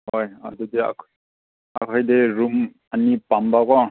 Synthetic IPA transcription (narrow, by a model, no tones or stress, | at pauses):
hoja̰dudea̰kʰ | a̰kʰajdeɾum | anipambakɔ